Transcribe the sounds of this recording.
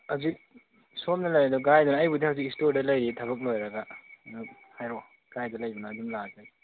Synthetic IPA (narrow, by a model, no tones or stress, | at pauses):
hawzik̚ | somnɐlɐjɾedɔk̬ɾajdunaːjbudihawzikistoɾdɐlɐjɾitʰɐβɐk̬̚lojɾɐɡanuk̚ | hajɾo | kɾajdɐlɐjbɐnaːdumlada